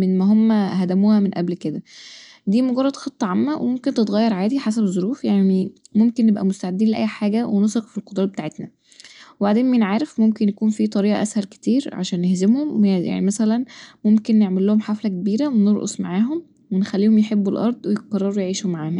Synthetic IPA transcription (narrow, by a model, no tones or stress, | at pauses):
menmæɦomːæɦæd̪æmuːhæmenʔæblked̪æ | d̪iːmoɡɑrˤːɑd̪xɑt̪ˤːɑʕamːæwʔḛmomkent̪et̪ɣæjːɑɾˤʕaːd̪iħas̬æbzˤoɾuːfjaʕni | momkenːebʔæ̰most̪aʕed̪ːiːnleʔæ̰jːħaːɡæwenosˤɑqfilqod̪ɾˤɑːbet̪aːʕet̪næ | webaʕd̪eːnmæjnʕaːɾefmomkenjækuːnfit̪ˤɑɾiːʔɑ̰ʔæshælke̥t̪iːɾʕa̰ʃæːnːehzemhomja̰ʕnimæsælænmomkenːeʕmelːohomħaflækebiːɾæweneɾʔo̰sˤmaʕaːɦom | wenxælːiːhomjeħebːulʔɑɾˤd̪ˤwejeqɑrˤːɑɾˤujʕiːʃomːaʕaːmæ